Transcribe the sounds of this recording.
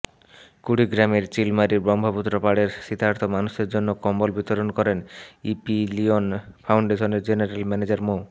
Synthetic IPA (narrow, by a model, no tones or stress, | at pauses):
kuɽiɡɾameɾt͡ɕilmaɾiɾbɾɔmbʱoput̪ːɾopaɽeɾʃit̪ʰaɾt̪ʰomanuʃeɾd͡ʑonːokɔmbolbit̪oɾonkɔɾenipilionpʰawɳɖeʃoneɾd͡ʑeneɾelmɛned͡ʑaɾmo